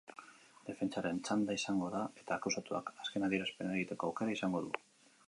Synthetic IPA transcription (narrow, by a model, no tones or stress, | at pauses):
d̪̥e̞fe̞nt͡ʃaɾe̞nt͡ʃand̪aisaŋɡo̞ðae̞t̪aːkawsat̪ua̰kḁske̞naðie̞ɾaspe̞naeeɣit̪e̞ko̞awke̞ɾaisaŋɡo̞ðṵ